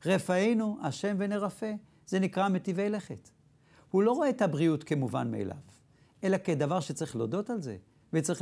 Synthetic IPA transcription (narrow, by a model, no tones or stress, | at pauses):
ʁefaejnuʔaʃe̞mveneʁafe̞ | ze̞nikʁamet̪ivejleχet̪ | hulo̞ʁoet̪abʁiutkemuva̰nmḛːlʔa̰v | ʔe̞laked̪avaʁʃet͡sɐʁiχlodo̞talze̞̰ | vet͡sʁi